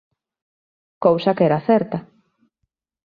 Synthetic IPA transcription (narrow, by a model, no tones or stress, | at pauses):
kowsɐkɛɾaθɛɾt̪ɐ